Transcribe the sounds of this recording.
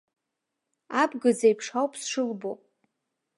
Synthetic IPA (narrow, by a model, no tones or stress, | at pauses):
abɡɨd͡zajpʰʂawpʰʼsʂɨlbo